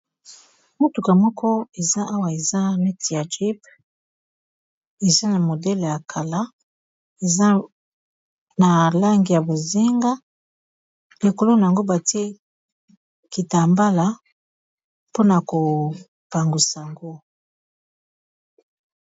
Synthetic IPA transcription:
mo˦tu˨ka˨mɔ˦kʰɔ˦e˨za˦ʔa˦wa˨e˨za˦mi˦ti˨ja˨d͡ʒi˦p | e˨za˦na˨mo˨dɛ˦le˨ja˨kʰa˨la˦ | e˨za˦ | na˨la˦ŋɡi˨ja˨bo˨ze˦ŋɡa˦ | li˨ko˨lo˦na˨a˨ŋɡo˦ba˨ti˦e˦ | ki˨ta˨mba˦la˨ | po˦na˨ko˨ | pa˨ŋɡu˨sa˨ŋɡo˦

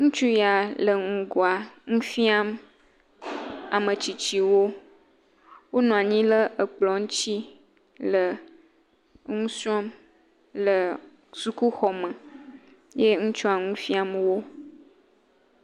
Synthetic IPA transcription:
ŋũ˦t͡ʃu˦ja˨lə˨ŋũ˨ɡo˨a˨ŋũ˦fi˦a˦m | a̰˨mə̃˨t͡ɕi˨t͡ɕi˨wo˦ | wo˦nɔ̃˨a˨ɲĩ˦lə˦ʔə˨k͡plɔ˨ŋũ˦t͡ɕi˦ | lə˨ | ŋũ˦si˦ɔ˦m | lə˨ | su˦ku˦xɔ˨mə̃˨ | je˦ŋũ˦t͡ʃu˦a˨ŋũ˦fi˦a˦mwo˦

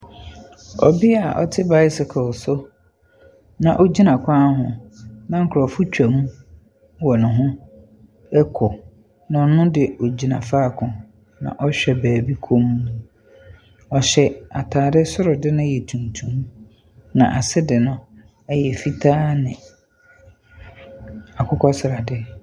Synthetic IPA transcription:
ɔ̰˨bi˦a˨ʔɔ̰˦tʰɪ˦ba˦ɪ˦sɪ˨kʰʊ˨lsʊ˦ | nã˨ʔo˦d͡ʑi˦nã˨kʰã˦ɦʊ̰̃˨nã˦ŋ̩˨kʰɾɔ˨fʊ˦t͡ɕᶣa˨mũ˦ | wɔ˨nʊ̃˨ɦʊ̃˦ | ɛ˦kʰɔ˨ | nʊ̃˨nʊ̃˦dɪ˨o˨d͡ʑi˨nã̰˨faː˦˨kʰʊ̃˨ | nã̰˨ʔɔ˦ɕᶣɛ˨bæː˨bi˦kʰo˦mũ˦˨ | ɔ˨ɕɛ˦a˨tʰaː˨dɪ˦sʊ˦ɾʊ˨dɪ˦nʊ̃˦jɛ˨tʰũ˨ntʰũ˨m | nã̰˨ʔa˨sɪ˦dɪ˨nʊ̃˦ | ɛ˦jɛ˨fi˦tʰaː˦nɪ̃˨ | a˨kʰʊ˦kʰɔ˦sɪ˨ɾa˨dɪ˦

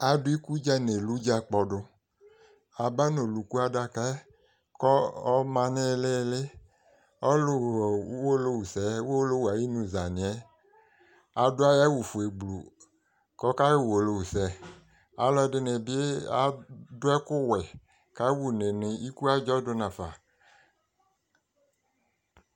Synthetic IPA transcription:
a˨dʊ˦i˦ku˦d͡ʒa˦ne˨lu˦d͡ʒa˨k͡pɔ˨dʊ˧ | a˨ba˦no˨lu˨ku˦a˦da˧˦ka˦ | kɔ˦ɔ˦mã˧ne˦˨le˦˨le˦ | ɔ˦lʊ˦˨˦wo˦lo˧wu˨sɛ˨˦wo˦lo˦wa˨ji˦nũ˨za˨nɪ̃˨ɛ˦ | a˨dʊ˦a˦ja˦wu˨fu˨e˨ɡ͡blu˨ | kɔ˦ka˦wwo˨lo˨wu˨sɛ˨ | a˨˦lɔ˦ɛ˨dɪ˨ne˨bɪ˦e˦a̰˨dʊ˦ɛ˦kʊ˦wɛ˨ | ka˦wu˨ne˨nɪ˨i˦ku˦a˦d͡ʒɔ˦dʊ˦nã˨fa̰˨

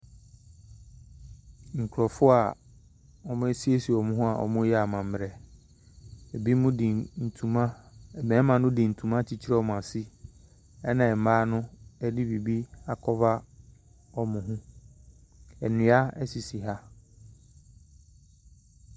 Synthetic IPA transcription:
ŋ̩˨kʰʊ˨ɾɔ˨fʊ˦a˨ | ɔ˨mʊ̃˦ɛ˦si˦e˦si˨ɔ˨mʊ̃˦ɦʊ̃˦a˨ʔɔ̰˨mʊ̃˦jɛ˦a˨mã˨mː˨ɾɛ˨ | ɛ˨bi˦mʊ̃˦di˨n̩˨tʰũ˨mã˦˨mɛ̃ː˨˦mã˨nʊ̃˦di˨n̩˨tʰũ˨mã˦t͡ɕʰi˦t͡ɕʰi˦ɾɛ˦ɔ˨mʊ̃˨a˨si˦ | ɛ˦nã˨ɛ˨m̩˨maː˦nʊ̃˦ɛ˦di˦bi˨bi˦a˨kʰɔ˦va˦ | ɔ˨mʊ̃˨ɦʊ̃˦ | ɛ˨nɪ̃˨˦a˦ɛ˦si˨si˨ɦa˦

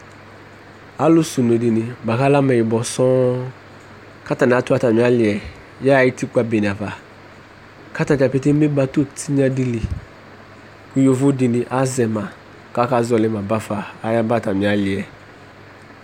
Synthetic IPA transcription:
a˦lʊ˦su˨no˨di˨nɪ˨ba˨ka˦la˦mɛ˨ɪ˨bɔ˨sɔ̃˦ | ka˦ta˨n˨a˦tʊ˦a˦˨ta˨mĩ˨˦a˦lɪ˨ɛ˨ | ja˦˨ji˦ti˦k͡pa˦be˨n˨a˨va˨ | ka˦ta˨d͡ʒa˨pe˦te˦mɪ˦ba˦to˦tʰi˦ɲã˦di˦li˨ | u˦jo˨vʊ˦dɪ˨nɪ̃˨ʔa˦zɛ˨mã˨ | ka˦ka˦zɔ˨lɪ˦mã˨ba˦faː˨˦ja˦ba˦˨ta˨mĩ˨a˨˦lɪ˨ɛ˨

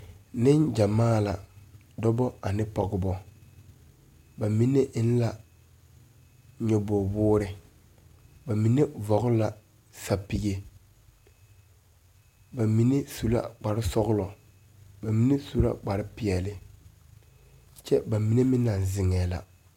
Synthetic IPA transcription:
nɪ˦nd͡ʒa˨maː˦la˨ | dɔ˦bɔ˦a˨nɪ˦pɔ˨ɣɪ˦bɔ˦ | ba˨mi˦ne˦ʔɪ˦n˦la˨ | ɲɛ˦bɔ˨bʊː˦ɾɪ˨ | ba˨mi˦ne˦vɔ˨ɣʊ˦la˨ | sa˨pi˨ɡe˦ | ba˨mi˦ne˦su˦la̰˦k͡pa˨ɾɪ˦sɔ˦ɣʊ˦lɔ˨ | ba˨mi˦ne˦su˦la̰˦k͡pa˨ɾɪ˦pɪ˨ɛ˨lɪ˨ | t͡ʃɛ˦ba˨mi˦ne˦mɪ˦na˨nzɪ˨ŋɛː˨la̰˨

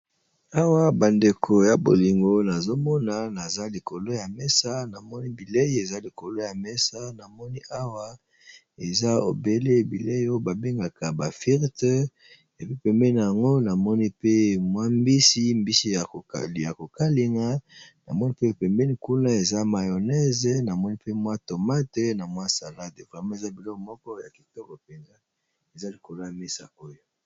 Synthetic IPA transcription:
a˦wa˦ba˨nde˨kʰo˨ja˨bo̰˨li˨ŋɡo˦na˨zo˦mɔ˦na˦na˨za˦li˨ko˨lo˦ja˨mɛ˦sa˦na˨mɔ˦ni˦bi˨le˦je˨za˦li˨ko˨lo˦ja˨mɛ˦sa˦na˨mɔ˦ni˦ʔa˦wa˦ | e˨za˦o̰˨be˦le˦˨bi˨le˦jo˦ba˨be˦ŋɡa˨ka˨ba˨fi˦ʁt | e˨bi˦pɛ˨mbɛ˦na˨ja˨ŋɡo˦na˨mɔ˦ni˦pe˦mwa˦mbi˦si˦mbi˦si˦a̰˨ja˨ko˨ka˦li˨ŋa˦na̰˨mɔ˦ni˦pe˦o˨pɛ˨mbɛ˦ni˨ku˦na˦e˨za˦ma˨jo˨nɛ˦ze˨na˨mɔ˦ni˦pe˦mwa˦to˨ma˦te˦na˨mwa˦sa˨la˦de˨vo˨la˨mã˦e˨za˦bi˨lɔ˦kɔ˨mɔ˦kɔ˦ja˨ki˨tɔ˦kɔ˨pe˨ŋɡa˦ | e˨za˦li˨ko˨la˦mi˦sa̰˨o˦jo˦

